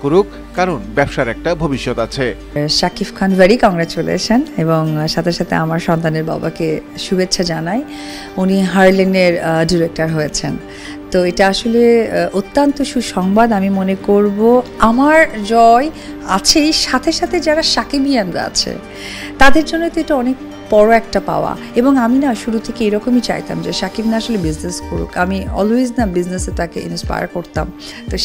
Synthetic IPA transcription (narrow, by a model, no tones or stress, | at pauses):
koɾuk | kaɾonbɛbʃaɾɛk̚ʈabʱobiʃːɔt̪at͡ɕʰe | ʃakifkʰanveɾikɔŋɡɾat͡ɕulḛʃʰeneboŋʃat̪ʰeʃat̪ʰeamaɾʃɔnt̪aneɾba̰bakeʃubetːɕʰad͡ʑanaj | uniɦaɾleneɾɖiɾek̚ʈaɾɦojet͡ɕʰen | t̪oeʈaaʃoleot̪ːant̪oʃuʃɔŋbad̪amimonekoɾboamaɾd͡ʑɔe | a̰t͡ɕʰejʃat̪ʰeʃat̪ʰed͡ʑaɾaʃakibijanɾa̰a̰t͡ɕʰḛ | t̪ad̪eɾd͡ʑonːot̪oeʈaɔnek̚ | pɔɾoɛk̚ʈapa̰oa̰ | eboŋaminaʃuɾut̪ʰekeejɾɔkomit͡ɕa̰jt̪a̰md͡ʑeʃakibnaaʃolebizneskoɾṵkamiɔ̰loid͡ʑnabizneset̪akeʔḭnspa̰ja̰ɾkoɾt̪a̰m | t̪o